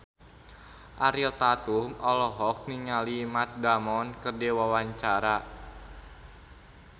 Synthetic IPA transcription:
ʔaɾilt̪at̪umɔlɔɦɔk̚niŋalimat̪̚damɔnkərdewawaɲt͡ʃaɾa

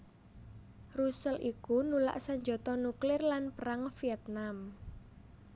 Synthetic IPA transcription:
rusəlʔikunula̰ʔsaɲd͡ʒɔ̤t̪ɔnuklɪrlanpəɾaŋfiɛt̪̚nam

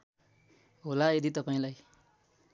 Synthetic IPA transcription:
ɦolajed̪it̪ʌpaĩlaj

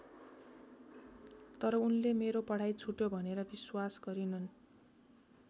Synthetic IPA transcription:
t̪ʌɾʌunlemeɾopʌɽ̤ajt͡sʰuʈjobʱʌneɾʌbiswasɡʌɾinʌn

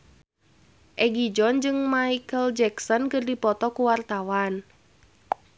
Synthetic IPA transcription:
ʔɛɡid͡ʒɔnd͡ʒɨŋmaikəld͡ʒɛksɔnkɨrdipɔt̪ɔkuwart̪awan

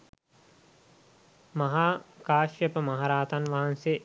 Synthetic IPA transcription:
mɐɦaːkaːʃjəpəmaɦaɾaːt̪anʋaɦanse

